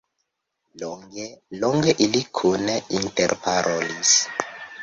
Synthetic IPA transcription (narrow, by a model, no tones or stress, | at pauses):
loŋɡeloŋɡeʔilikʰuneintḛɾpaɾolis